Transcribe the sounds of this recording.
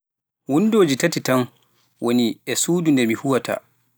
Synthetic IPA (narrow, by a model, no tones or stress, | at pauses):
wundoːd͡ʒitatitan | wʔoniɛsuːdundɛɾmihuwatʰa̰